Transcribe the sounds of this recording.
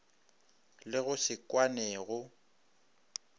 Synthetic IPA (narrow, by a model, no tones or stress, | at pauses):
lɪɣʊsɪkwanɛːɣʊ